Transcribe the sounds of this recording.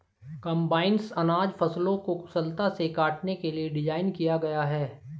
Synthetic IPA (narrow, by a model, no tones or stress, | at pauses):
kɐ̃mbaːɪnsɐnaːd͡ʒfɐslõkokʊsəlt̪asekaːʈnekelieɖɪd͡ʒaːɪnkijaɡɐjaɦɛː